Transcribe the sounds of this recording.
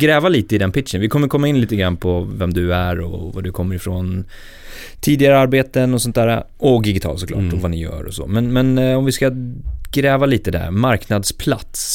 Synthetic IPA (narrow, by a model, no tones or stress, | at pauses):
ɡɾɛːvaliːt̪əɪd̪ɛnpʰɪt̪ʂənvɪkʰɔmːəɾkʰɔmːaɪnliːt̪əɡɾanːpʰɔvɛmd̪ɵæɾɔ̰va̰d̪ɵkʰɔmːəɾɪfɾɔn | t̪ʰiːd̪ɪaɾəaɾbeːt̪ənɔsɔnt̪̚æːɾa̰ | ɔd̪ɪɡɪt̪ʰɑ̰lsɔklɑ̰ːʈɔvanɪjœ̰ːɾɔ̰sɔ̰mɛnmɛnɔmvɪskaɡɾɛːvaliːt̪əd̪æ̰maɾknad̪spʰlat̪s